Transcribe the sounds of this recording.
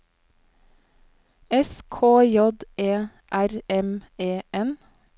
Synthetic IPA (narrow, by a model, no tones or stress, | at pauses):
ɛskʰoːjɔd̪ʔeː | ʔæɾɛmeːʔɛn